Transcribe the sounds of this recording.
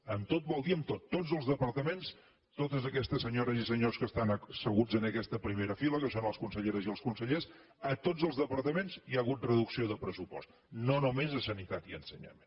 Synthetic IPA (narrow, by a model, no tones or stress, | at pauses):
əmt̪ot̪̚bɔlˠd̪iəmt̪ot̪ːod͡zəlˠzðəpəɾt̪əmens | t̪ot̪əzəkɛst̪əsːəɲoɾəzisəɲoskəst̪ansəɣud͡zənəkɛst̪əpɾimeɾəfiləkəsonəlˠskunsəʎeɾəziəlˠskunsəʎes | ət̪od͡zəlˠzðəpəɾt̪əmenziaəɣut̪̚rəðuksioðəpɾəsupɔ̰st̪ | nonumezəsənit̪at̪iə̰nsəɲə̰me